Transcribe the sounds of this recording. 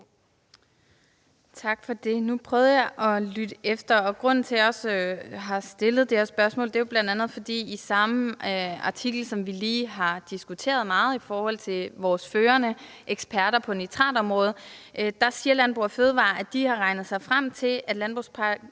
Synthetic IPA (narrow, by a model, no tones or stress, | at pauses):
t͡sʰɑ̈ɡ̥fɒ̽d̥e̝nupʰʁœːð̞ˠəjɑ̈ɪʔɒ̽lyd̥əʔefd̥ɐɒ̽ɡ̥ʁɔ̽n̰n̩t͡sʰe̝ɒ̽sɦɑ̈sd̥e̝lð̞̩ˠd̥eɐsb̥ɶɐsmɔ̰ld̥e̝job̥lænd̥ænð̞̩ˠfɒ̽d̥ḭːisɑ̈məɑ̈t͡sʰiɡ̥l̩sɒ̽mʋiliːɦɑ̈d̥isɡ̥ut͡sʰe̝̰ːɐð̞ˠmɑ̈ːð̞̩ˠifɒːhɒ̽l̰t͡sʰe̝lʋɒːsføːɐnə | ʔeɡ̥sb̥ʰæɐɾ̥ɐpʰɒ̽nit͡sʰʁɑ̰̈ːd̥ɒ̽mʁɔ̽ːð̞̩ˠd̥ɑ̈siːɐlænb̥ʁṵɐføːð̞ˠʋɑ̰̈ːæ̥d̥ihɑ̈ʁɑ̈ɪnð̩ˠsɑ̈ɪfʁam̰t͡sʰe̝læd̥lænb̥ʁṵspʰɑ